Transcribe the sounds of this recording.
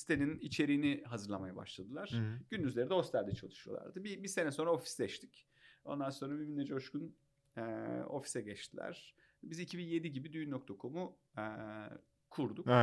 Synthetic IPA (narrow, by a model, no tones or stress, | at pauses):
si̥t̪ʰenʲinit͡ʃʰe̞ɾiːniɦazɯɾlˠamajaba̰ʃlˠad̪ɯlˠaɾ̥ɟynd̪yzlʲe̞ɾid̪ɛo̞st̪ʰælʲd̪ɛt͡ʃʰa̰lˠɯʃɯjolˠa̰ɾd̪ɯbibise̞nɛso̞nɾao̞fi̥sd̪ɛʃt̪ʰi̥c | o̞nd̪anso̞nɾabiminɛd͡ʒɛoʃkun | ɛo̞̰fi̥sɛɟɛt͡ʃt̪ʰilʲæ̰ɾ̥ | bizicʰibinje̞d̪iɟibid̪yjnːokt̪ʰakʰo̞mu | kʰuɾd̪uk